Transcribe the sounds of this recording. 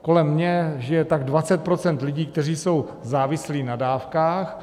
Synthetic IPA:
ko̞lɛmːɲɛʒɪjɛt̪aɡdvat͡sɛt̪̚pɾo̞t͡sɛnt̪lɪɟiːkt̪ɛr̝iːso̞w | zaːvɪsliːnadaːfkaːx

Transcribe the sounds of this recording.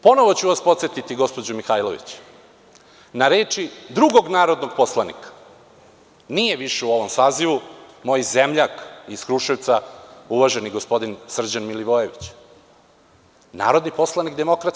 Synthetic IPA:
po̞no̞ʋot͡ɕuʋaspot̪set̪it̪iɡo̞spo̞d͡ʑumixajloʋḭt͡ɕ | naɾeːt͡ʂid̪ɾuɡo̞ɡnaːɾo̞d̪noɡ̚poslˠanḭkḁ | nijeʋiʃeuo̞ʋo̞msaːziʋumo̞jizemʎakiskɾuʃet̪sauʋaʒeniɡospo̞d̪insr̩d͡ʑanmiliʋojeʋit͡ɕ | na̰ːɾod̪nipo̞slˠanikd̪e̞mokɾat̪

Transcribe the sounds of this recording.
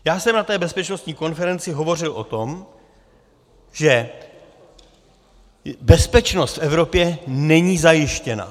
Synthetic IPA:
jaːsɛmnat̪ɛːbɛspɛt͡ʃnost̪ɲiːko̞nfɛɾɛnt͡sɪɦo̞vo̞r̝ɪlʔo̞t̪o̞m | ʒ̥ɛ | bɛspɛt͡ʃno̞st̪fɛvɾo̞pjɛnɛɲiːzajɪʃcɛna̰

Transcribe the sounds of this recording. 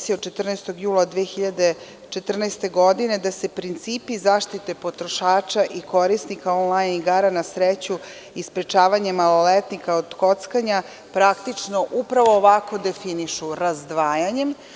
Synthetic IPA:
siot͡ʃe̞t̪r̩nest̪o̞ɡjuːlˠad̪ʋexiʎad̪e̞ | t͡ʃe̞t̪r̩nest̪e̞ɡo̞d̪ine̞d̪ase̞pɾint̪siːpizaːʃt̪it̪e̞po̞t̪ɾoʃaːt͡ʃaʔiko̞ɾisnikaonlˠajniɡaːɾanasɾet͡ɕu | ispɾe̞t͡ʃaːʋaɲemalolet̪nikaod̪ko̞t̪skaɲa | pɾakt̪it͡ʃno̞ʔupɾaʋoːʋako̞d̪e̞finiʃuɾazd̪ʋaːjaɲem

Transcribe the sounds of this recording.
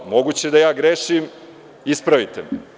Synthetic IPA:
mo̞ɡuːt͡ɕed̪ajaːɡɾeʃim | ispɾaʋit̪em

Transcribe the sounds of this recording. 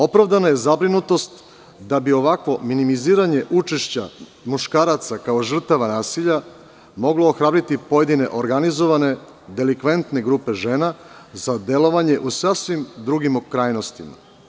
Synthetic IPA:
o̞pɾavd̪anaje̞zabɾinut̪o̞st̪ | d̪abio̞ʋakʋo̞minimiziːɾaɲe̞ʔut͡ʃeʃt͡ɕa̰ | muʃkaːɾat̪sakao̞ʒr̩t̪aʋanaːsiʎa | mo̞ɡlo̞oxɾaːbɾit̪ipo̞je̞d̪ine̞ʔo̞ɾɡanizo̞ʋane̞ | d̪e̞likʋe̞nt̪ne̞ɡɾuːpe̞ʒe̞ːna | zad̪e̞lo̞ʋaɲe̞ʔusasʋimd̪ɾuɡimokɾaːjno̞st̪ima̰

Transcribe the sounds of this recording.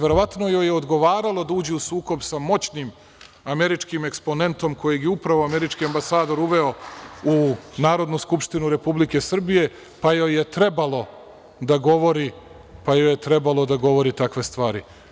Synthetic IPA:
ʋe̞ɾo̞ʋat̪nojo̞jeod̪ɡo̞ʋaːɾalˠo̞d̪auːd͡ʑeusuːko̞bsamo̞t͡ɕnim | ame̞ɾit͡ʃkime̞kspo̞ne̞nt̪o̞mko̞jeɡjeupɾaʋoame̞ɾit͡ʃkiambasaːd̪o̞ɾuʋe̞o̞unaːɾo̞d̪nuskupʃt̪inuɾe̞publike̞sr̩bije̞ | pajojet̪ɾe̞balˠo̞ | d̪aɡo̞ʋo̞ɾi | pajojet̪ɾe̞balˠo̞d̪aɡo̞ʋo̞ɾit̪akʋe̞st̪ʋaːɾḭ

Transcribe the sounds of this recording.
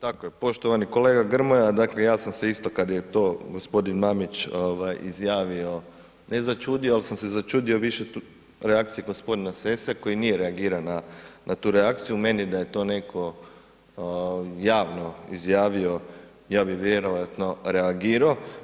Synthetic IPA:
t̪akojepo̞ʃt̪oʋaniko̞le̞ːɡaɡr̩mojad̪akle̞jaːsamse̞ist̪o̞kad̪jet̪o̞ːɡo̞spo̞d̪inmamit͡ʃoʋajizjaːʋio̞ | ne̞zat͡ʃuːd̪ioalsamse̞zat͡ʃuːd̪io̞ʋiʃe̞ | ɾeakt̪ijeɡo̞spo̞d̪inasesako̞jinijeɾeaɡiːɾananʔat̪uːɾeak̚t̪sijume̞nid̪aje̞t̪o̞ːne̞kʰo̞ | jaːʋno̞izjaːʋio̞ | jaːbixʋjeɾojat̪no̞ɾe̞aɡiːɾao

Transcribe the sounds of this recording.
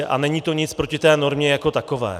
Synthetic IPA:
ɛʔanɛɲiːt̪oɲɪt͡spɾocɪt̪ɛːnoɾmɲɛjako̞t̪akovɛ̰ː

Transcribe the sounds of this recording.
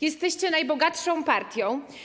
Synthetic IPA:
jɛst̪ɛɕt͡ɕɛnajbɔɡatʂɔ̃w̃paɾt̪ʲjɔ̃w̃

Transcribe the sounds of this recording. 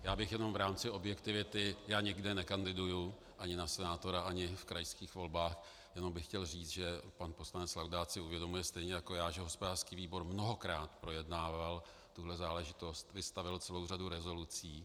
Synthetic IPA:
jaːbɪxjɛno̞mvɾaːmt͡sɪʔo̞bjɛkt̪ɪvɪt̪ɪjaːɲɪɡdɛnɛkandɪduju | ʔaɲɪnasɛnaːt̪o̞ɾaʔaɲɪfkɾajskiːxvo̞lbaːx | jɛno̞mbɪxːcɛlriːt͡s̪ʒɛpanpo̞slanɛt͡slawdaːt̪sɪuvjɛdo̞mujɛst̪ɛjɲɛjako̞jaːʒɛɦo̞spodaːrskiːviːbo̞ɾmnoɦo̞kɾaːt̪pɾo̞jɛdnaːval | t̪uɦlɛzaːlɛʒɪt̪o̞st̪vɪst̪avɪlt͡sɛlo̞wraduɾɛzo̞lut͡siː

